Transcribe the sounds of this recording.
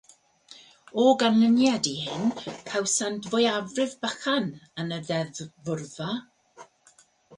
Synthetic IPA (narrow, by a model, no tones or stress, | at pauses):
ɔɡanlənjadihɪnpʰawsandvɔjavrɪvbaχanənəðɛðvʊrva